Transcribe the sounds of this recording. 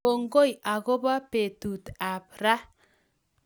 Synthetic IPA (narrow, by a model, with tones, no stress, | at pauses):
o˨ŋɡo˦ja˨ɡo˦ba˦pe˨t̪u˨t̪a˨pɾa˦